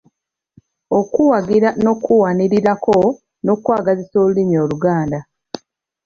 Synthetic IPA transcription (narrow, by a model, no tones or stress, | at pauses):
o̞kuwaɡiɾano̞kuwaniɾiɾakʰo̞ | no̞kwaːɡaziso̞ːlulimio̞ːluɡaːnda